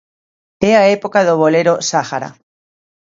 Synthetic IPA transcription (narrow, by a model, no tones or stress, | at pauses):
ɛaepokaðoβoleɾosaxaɾa̰